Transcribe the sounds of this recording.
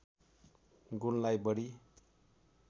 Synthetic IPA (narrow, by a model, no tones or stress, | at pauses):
ɡunlajbʌɽi